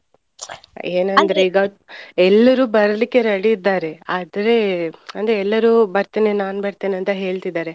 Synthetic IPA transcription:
eːnɐnd̪ɐɾeiːɡaɛlːɐɾuːbɐɾɐlikːe̞ɾɐɽiːd̪ːaːɾe̞aːd̪ɐɾe̞ɐnd̪ɾeɛlːɐɾubɐɾt̪iːnenaːnbɐɾt̪iːneɐnt̪ɐɦe̞ːɭt̪id̪ːaːɾe̞

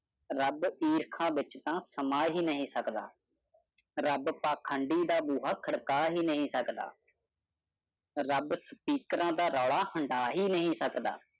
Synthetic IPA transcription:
ɾəbiːɾkʰãːʋɪt͡ʃt̪ãːsəmaːɦiːnəɦĩːsəkd̪a̰ː | ɾəbpaːkʰəɳɖiːd̪aːbuːɦaːkʰəɽkaːɦiːnəɦĩːsəkd̪a̰ː | ɾəbspiːkɾãːd̪aːɾɔːɭaːhəɳɖaːɦiːnəɦĩːsəkd̪a̰ː

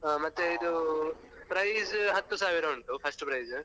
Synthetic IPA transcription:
amɐt̪ːeid̪u | pɾɐjzɦɐt̪ːusaːʋiɾɐʋuɳʈ̪upʰɐsʈpɾɐjz

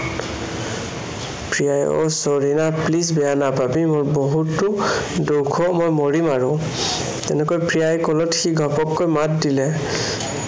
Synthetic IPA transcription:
pɹijajɔ̰soɹinaplis̬bɛjanapabimʊɹboɦutːʊdukʰɔmojmoɹimaɹʊ̃ | tɛnɛkojpɹijajkɔlɔtxiɡʱɔpɔkːojmat̚dilɛ

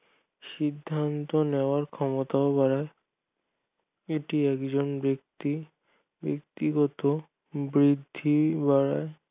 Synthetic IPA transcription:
ʃid̪ʱːant̪oneoaɾkʰɔmot̪aobaɽae | eʈiɛkd͡ʑonbekt̪i | bḛk̚t̪iɡɔt̪o | bɾid̪ʱːibaɾae

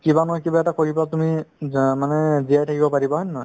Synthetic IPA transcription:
kibanɔɦɔjkibaɛtakoɹipatumimanɛziajtʰakibɔpaɹibaɦɔnːɔ

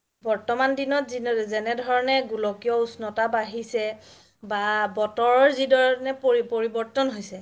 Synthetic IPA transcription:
bɔɹtɔmandinɔtzinzɛnɛdʱɔɹɔnɛɡulɔkijɔusnɔtabaɦisɛ | babɔtɔɹɔɹzidʱɔɹɔnɛpipoɹibɔɹtɔnɦojsɛ

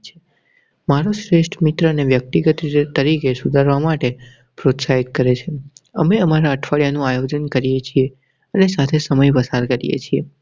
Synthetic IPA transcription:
t͡ʃʰe̥ | maɾoʃɾeʃʈʰmit̪ɾəneʋjək̚t̪iɡət̪t̪əɾikesud̪ʱaɾʋamaʈe | pɾot̪saɦit̪̚kəɾet͡ʃʰeəmeəmaɾaəʈʰʋaɭjanũajod͡ʒənkəɾijet͡ʃʰie | ənesat̪ʰesəməjpəsaɾkəɾḭjḛt͡ʃʰie

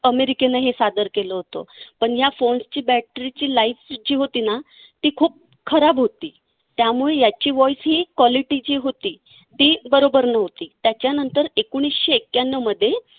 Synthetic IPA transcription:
əmeɾikenəɦesad̪əɾkeləɦot̪o̰pəɳjafoɳst͡ɕiːbæʈɾit͡ɕiːlaifd͡ʑiːɦot̪iːna | t̪iːkʰuːp̚ | kʰəɾabɦot̪iː | t̪jamuɭejat͡ɕiːʋɔisɦiːkʋɔliʈid͡ʑiːɦot̪iː | t̪iːbəɾobəɾnəɦt̪iːt̪jat͡ɕjanənt̪əɾekuɳ̃isɕeːkjanəməd̪ʱːje

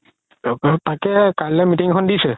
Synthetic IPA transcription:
takɛkalɛmitiŋkʰɔndisɛ

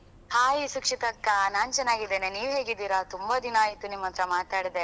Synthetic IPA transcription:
haːjisukʂit̪ɐkːanaːnt͡ʃɐnːaːɡid̪eːneniːʋɦe̞ːɡid̪ːiːɾat̪umbɐd̪inaːjit̪unimːɐnt̪ɾɐmaːt̪aːɽid̪e

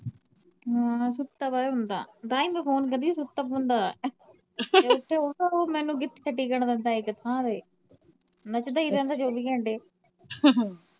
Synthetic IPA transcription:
ɦãːsʊt̪ːaːpaːeɦʊnd̪a̰ːt̪aːĩməpʰoːnkəd̪iːsʊt̪ːaːpʊnd̪aː | t̪eːʊʈʰːeːoːaːoːmɛ̃ːnũːɡɪt̪kʰəʈːiːkəɳd̪ə̃nd̪aːɪkət̪ʰãːd̪eː | nət͡ʃd̪aːiːd̪ɛ̃ːnd̪aːd͡ʒoːbiːkɛ̃ːɳɖeː

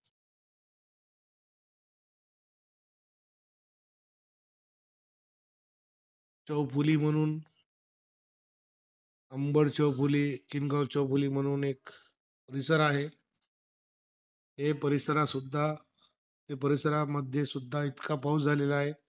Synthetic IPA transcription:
t͡ɕəwpʰuliːm̤əɽ̃uːn | əmbəɽt͡ɕəwpʰuliːkinɡəwt͡ɕəwpʰuliːm̤əɽ̃uːnek | pəɾisəɾaɦe | t̪epəɾisəɾasud̪ʱːa | t̪epəɾisəɾaməd̪ʱjesud̪ʱːait̪kapawd͡zʱalelaaɦe

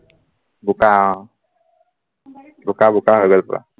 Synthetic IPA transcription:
bʊka | bʊkabʊkaɦojɡɔlpɔ̰ɹa̰

